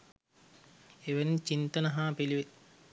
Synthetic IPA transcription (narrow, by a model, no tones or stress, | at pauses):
eʋent͡ʃint̪ɐnɐɦaːpiliʋe